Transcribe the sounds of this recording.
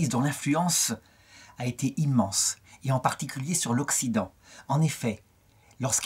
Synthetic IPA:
izd̪ɔ̃lɛ̃flyɑ̃s | aet̪eʔimɑ̃seɑ̃paʁt̪ikʲyljesyʁlɔksid̪ɑ̃ | ɑ̃nefɛ | lɔʁsk

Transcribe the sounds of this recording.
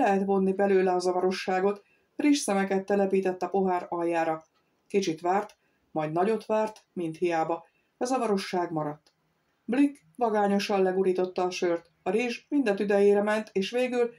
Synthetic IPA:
lɛɦɛt̪vo̞nːibɛløːlɛɒzɒvɒɾo̞ʃːaːɡo̞t̪ | riʃsɛmɛkɛt̪ːɛlɛpiːt̪ɛt̪ːɒpo̞ɦaːɾɒjːaːɾɒ | kit͡ʃit̪ʋaːrt̪ | mɒjd̪nɒɟo̞t̪ʋaːrt̪mint̪hijaːbɒ | ɒzɒvɒɾo̞ʃːaːɡmɒɾɒt̪ː | blik | ʋɒɡaːɲo̞ʃɒllɛɡuɾiːt̪o̞t̪ːɒːʃørt̪ | ɒɾiʒmind̪ɛt̪yd̪ɛjeːɾɛmɛnt̪ʰeːʃʋeːɡyl

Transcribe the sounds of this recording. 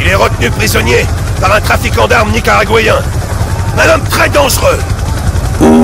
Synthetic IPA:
ilɛʁət̪nypχizɔnjepaʁɛ̃t̪χafikɑ̃d̪aʁmnikaʁaɡwajɛ̃ | ɛ̃nɔmt̪χɛd̪ɑ̃ʒʁø

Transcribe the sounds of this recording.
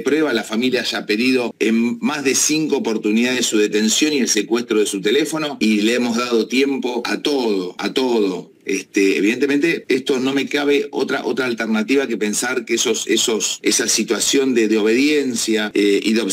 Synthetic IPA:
pɾweβalafamiljaaʒape̞ðiðo̞enmazðe̞siŋkoːpo̞ɾt̪uniðaðesuðe̞t̪e̞nsjo̞nie̞lse̞kwest̪ɾoð̞esut̪e̞le̞fo̞no̞ileemo̞zðað̞ot̪je̞mpo̞a̰t̪oðoa̰t̪o̞ð̞o | est̪ḛːβiðe̞nt̪emẽnt̪e̞est̪o̞no̞me̞kaβeo̰t̪ɾa̰ʔo̞t̪ɾaːlt̪eɾnat̪iβake̞pe̞nsaɾkesosesosesasit̪wasjo̞nd̪eðeo̞β̞e̞ðje̞nsjaeʔḭðeo̞β

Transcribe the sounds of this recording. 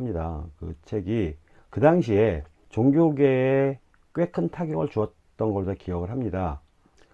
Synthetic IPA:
mɲida̰kɯt͡ɕʰe̞ɡi | kɯdaŋɕʰie̞ | t͡ɕoŋɡjoɡe̞e | k͈ɥwe̞kʰɯntʰaɡjʌŋɯɭt͡ɕuʌt̚t͈ʌnɡʌɭd͡ʑakijʌɡɯɭɦamɲida

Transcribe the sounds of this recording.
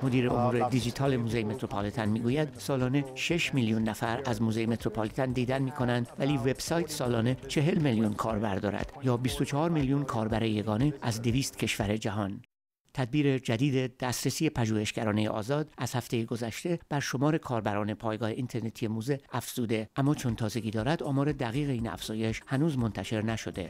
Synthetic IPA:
mod̪iːɾe̞omuːɾe̞d̪id͡ʒiːt̪ʰɒːle̞muːzejme̞t̪ʰɾopʰɒlit̪ʰɑnmiːɡuːjæd̪sɒːlɒːne̞ʃe̞ʃmiljunːæfæɾæzmuːzejeme̞t̪ɾo̞pʰɑːlit̪ʰænd̪iːd̪ænmiːkʰo̞nænd̪væliːve̞b̥sɒːjt̪ʰsɒːlɒːne̞t͡ʃʰe̞ɦe̞lmiljunkʰɒːɾbæɾd̪ɒ̰ːɾæ̰d̪̥jɒːbist̪ot͡ʃʰɑhɒːɾmiljunkʰɒːɾbæɾeje̞ɡɒːne̞ʔæzd̪e̞viːst̪cʰe̞ʃvæɾe̞d͡ʒæɦɒn | t̪ʰæd̪̚biːɾe̞d͡ʒæd̪iːd̪e̞d̪̥æst̪ɾesiːe̞pʰæʒuːhe̞ʃɟæɾɒːnejḛʔɒ̰ːzɒːd̪æzhæft̪e̞jeɡo̞zæʃt̪e̞b̥æɾʃo̞mɒːɾe̞kʰɒːɾbæɾɒːne̞pʰɒːjɡɒːhe̞ʔint̪ʰe̞ɾne̞t̪ʰije̞muːze̞æfz̥uːd̪e̞ʔæmːɒːt͡ʃʰo̞nt̪ʰɒːze̞ɡʲiːd̪ɒːɾæd̪ɒːmɒːɾe̞d̪æɣiːɣe̞iːnæ̰fz̥ɒːje̞ʃhænuːzmo̞nt̪ʰæʃe̞ɾnæʃo̞d̪e̞̰

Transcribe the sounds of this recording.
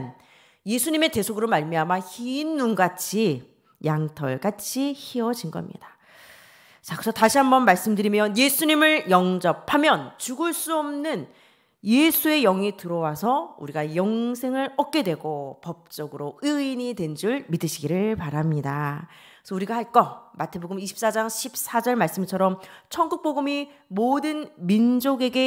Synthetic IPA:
n | je̞sʰuɲime̞te̞sʰoɡɯɾomaɭmiɦamaçiːnːunɡat͡ɕʰi | jaŋtʰʌɭɡat͡ɕʰiçiʌd͡ʑinɡʌ̰mɲḭda | t͡ɕakɯesʰʌtaɕʰiɦambʌnmaɭs͈ɯmdɯɾimjʌnje̞sʰuɲimɯɭjʌŋd͡ʑʌpʰamjʌnt͡ɕuɡɯɭs͈uʌmnɯn | je̞sʰue̞jʌŋitɯɾʌwasʰʌṵɾiɡajʌŋsʰe̞ŋɯɾʌk̚k͈e̞dwe̞ɡopʌp̚t͡ɕ͈ʌɡɯɾoɯiɲidwe̞nd͡ʑuɭmidɯɕʰiɡiɾɯɭpaɾamɲida | sʰʌuɾiɡahaɭk͈ʌmatʰe̞boɡɯmiɕʰi̥p̚s͈ad͡ʑaŋɕʰip̚s͈ad͡ʑʌɭmaɭs͈ɯmt͡ɕʰʌɾʌmt͡ɕʰʌŋɡuk̚p͈oɡɯmi | modɯnmind͡ʑoɡe̞ɡe̞

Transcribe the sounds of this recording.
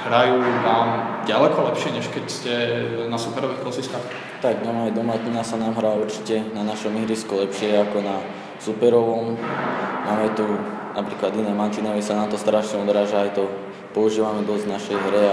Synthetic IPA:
ɦɾajuːnaːmɟalɛkɔlɛpʃɪɛɲɛʃkɛcscɛnasupɛɾɔʋixkɔsist̪ax | t̪aɡɲɔmaːjd̪ɔmat̪ɲinasanaːmɦɾauɾt͡ʃi̥cɛnanaʃɔmiɦɾiskulɛpʃɪɛakɔna | supɛɾɔʋɔm | maːmɛt̪u | napɾiːklad̪inɛːmant̪iːnɔʋɛsanaːmt̪ɔst̪ɾaʃɲɛɔd̪ɾaːʒaajt̪ɔ | pɔuʒiːʋamɛd̪ɔznaʃɛjɦɾɛ

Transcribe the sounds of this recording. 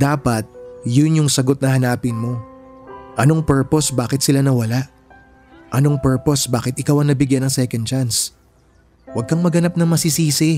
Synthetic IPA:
d̪aːpɐt̪̚jʊnjʊŋsɐɡo̞t̪̚nɐhɐnaːpɪnmo̞ | ʔɐno̞ŋpɛɹpo̞sbaːkɪt̪̚sɪlanɐwɐlaʔ | ʔɐno̞ŋpɛɹposbaːkɪt̪̚ʔɪkawɐŋnɐbɪɡjanɐŋsɛkɐnd̪̚t͡ʃans | wɐɡ̚kɐŋmɐɡɐnap̚nɐŋmɐsisiːsɪ

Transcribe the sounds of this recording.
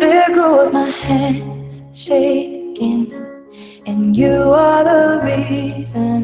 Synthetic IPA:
ðɛɡoʊzmaɪhæ̃nz̥ | ʃeɪkɪ̃ŋ | ɨ̃njɨəðəɹizə̃n

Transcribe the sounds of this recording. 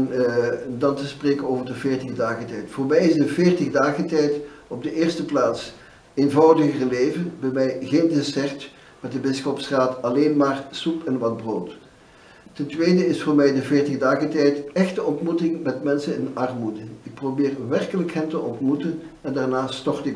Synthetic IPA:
ndɑntəspreːkənoːvərdəvɪːrtəɣdaːɣətɛjtfʊːrmɛjɪzdəvɪːrtəɣdaːɣəntɛjt | ɔb̚dəɪːrstəplaːts | envɑwdəɣərleːvənbɛmɛjɣeːndɪsɛrt | mɛt̚dəbɪsxɔpsraːtɑleːnmaːrsupɛnʋɑd̚broːt | tɛntʋejdəɪsfʊːɹmɛjdəvɪːrtəɣdaːɣəntɛjtɛxtəɔntmutɪŋmɛtmɛnsənɪnɑrmudəɪk̚probɪːrʋɛrkələkɦɛntəʔɔntmutən | ɛndaːrnaːstɔrtɪk

